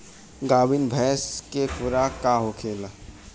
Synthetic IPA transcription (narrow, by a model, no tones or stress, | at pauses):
ɡaːbɪnbʱɛːskekʊɾakaɦokʰeːla